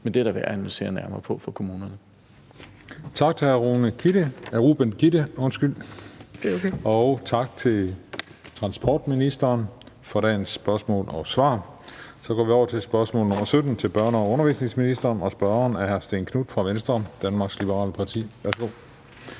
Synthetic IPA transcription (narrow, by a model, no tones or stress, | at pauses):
mend̥eɾ̥ɑʋeɐænælise̝̰ːɐnæɐmɐːpʰɔ̽fɒkʰo̝muːnɐnə | t͡sʰɑ̈ɡ̥̚t͡sʰe̝hæɐʁunəkʰid̥əæʁuːb̥enkʰidəɔ̽nsɡ̥yl̰ | ɒʊt͡sʰɑ̈ɡ̥̚t͡sʰe̝lt͡sʰʁɑ̈nsb̥ʰɒ̰ːd̥minisd̥ɐːn | fɒɾɛ̰ːnsb̥ɶɐsmɔ̰̽ːlɒ̽sʋɑ̈ːsɒ̽ɡ̥ɒ̰ːʋiɒʊɐt͡sʰe̝sb̥ɶɐsmɔ̰̽ːlnɔ̽mɐsød̥n̩t͡sʰe̝lb̥ɶɐnəɒ̽ɔ̽nɐʋḭːsne̝ŋsminisd̥ɐːnɒ̽sb̥ɶɐnæɐhæɐsd̥eːnkʰnud̥fʁɑ̈ʋensd̥ʁɐd̥ænmɑ̈ːɡ̥slib̥əʁɑ̰̈ːləpʰɑ̈t͡sʰḭːʋæɐsɡ̥o̝̰